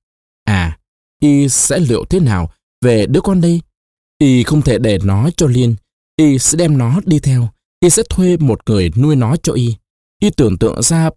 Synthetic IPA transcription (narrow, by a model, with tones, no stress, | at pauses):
ʔaː˨˩ | ʔi˧sɛ̰˧˥lḭ˧˨əwt̪ʰe˨˦naː˨˩w | ve˨˩ɗɨ˨˦əkɔ˧nɗi˧j | ʔi˧xə˧wŋ͡mt̪ʰe˧˩ɗe˧˩nɔ˨˦t͡ɕɔ˧li˧ən | ʔi˧sɛ̰˧˥ɗɛ˧mnɔ˨˦ɗi˧t̪ʰɛ˧w | ʔi˧sɛ̰˧˥t̪ʰwe˧mo˨˩t̚ŋɨ˨˩əjnu˧əjnɔ˨˦t͡ɕɔ˧ʔi˧ | ʔi˧t̪ɨ˨˩əŋt̪ɨ̰˧˨əŋzaː˧